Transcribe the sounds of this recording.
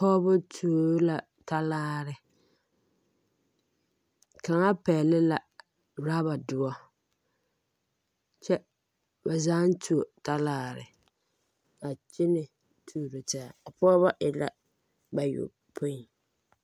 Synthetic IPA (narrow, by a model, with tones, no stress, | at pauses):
pɔ˦bʊ˦tʰu˨o˨˦la˨ | ta˦laː˦ɾɪ˨ | ka˨ŋa˦pɛː˨lɪ˦la˨ | ɾa˦ba˨dʊ˨ɔ˦ | t͡ʃɛ˦ | ba˨zaː˦n˦tʰu˨o˨ta˦laː˦ɾɪ̰˨ | a˨t͡ʃɪ˦nɪ˨ | tʰuː˨ɾo˨ta˦˨a˨pɔ˦ba˦ʔɪ˨la˦ | ba˨jʊ̰˨ | pʰʊ˦˨